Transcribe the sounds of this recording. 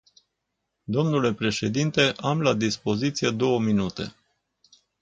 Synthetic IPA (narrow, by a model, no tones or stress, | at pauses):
d̪o̞mnule̞pɾe̞ʃe̞d̪int̪e̞ʔamlad̪ispo̞zit̪sije̞d̪o̞wəminut̪e̞̰